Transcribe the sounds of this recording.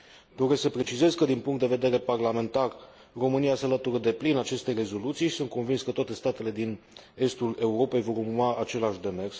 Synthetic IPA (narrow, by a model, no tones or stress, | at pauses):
d̪o̞ɾe̞sksəpɾe̞t͡ʃize̞zkəd̪inpuŋkt̪d̪e̞ve̞d̪e̞ɾe̞parlame̞nt̪ar | ro̞mɨnijase̞alət̪uɾəd̪e̞plinat͡ʃe̞st̪ere̞zo̞lut̪sijʃi̥sunt̪̚ko̞nvinskət̪oat̪e̞st̪at̪e̞le̞d̪in | e̞st̪ule̞uɾo̞pe̞jvo̞ɾummaat͡ʃe̞laʃʲd̪e̞me̞rs